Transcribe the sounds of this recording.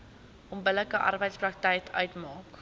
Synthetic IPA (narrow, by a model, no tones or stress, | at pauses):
ʔɔmbələkəʔɐ̰rbəjtsprɐk̚tɛjtʰœɥtmɑːk